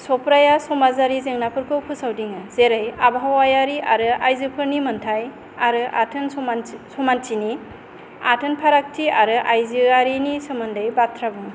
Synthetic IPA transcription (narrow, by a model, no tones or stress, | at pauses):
sɔpɾajasɔmazaɾizeŋnapʰɯɾkʰɯpʰɯsawdiŋɯzeɾajabɦawajaɾiaɾɯʔajzɯpʰɯɾnimɐntʰaj | aɾɯʔa̰tʰɯnsɔmantini | a̰tʰɯnpʰaɾak̚tʰiaɾɯʔajzɯaɾinisɯmɯndɯjbatʰɾabɯŋ